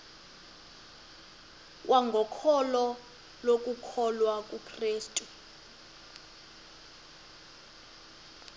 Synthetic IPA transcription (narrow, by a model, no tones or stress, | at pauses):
wʔaŋɡʱɔkʰɔlɔ | lok̬ʼukʰɔlwakʼukʰreːstʼu